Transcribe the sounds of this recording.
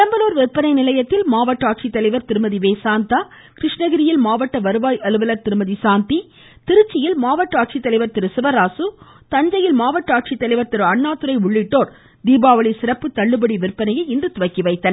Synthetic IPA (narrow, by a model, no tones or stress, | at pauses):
ɪɾɐmbɐnoːɾʋɪrpːɐnɐɪnɪlɐjɐt̪ːɪlmaːʋɐʈːaːʈ̚t͡ʃit̪ːɐlɐɪʋɐɾt̪ɪɾɯmɐðiʋeːsaːnt̪aː | kɾɪʂɳɐɣɪɾɪjɪlmaːʋɐʈːɐʋɐɾɯʋaːjʔɐlɯʋɐlɐɾt̪ɪɾɯmɐðisaːnt̪i | t̪ɪɾɯt͡ʃːɪjɪlmaːʋɐʈːaːʈ̚ʂit̪ːɐlɐɪʋɐɾt̪ɪɾɯsɪʋɐɾaːsɯ | t̪ɐɲd͡ʒɐjɪlmaːʋɐʈːaːʈ̚t͡ʃit̪ːɐlɐɪʋɐɾt̪ɪɾɯɐɳːaːt̪ːɯɾɐɪʊɭːɪʈːoːɾ | d̪iːbaːʋɐɭisɪɾɐpːɯt̪ːɐɭːɯbɐɽiʋɪɾpːɐnɐjɐɪɪndrɯt̪ʊʋɐkːiʋɐɪt̪ːɐnɐ